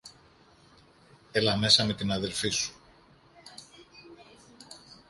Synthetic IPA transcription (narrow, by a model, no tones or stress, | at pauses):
elɐme̞sɐme̞t̪inɐðe̞lfisu̥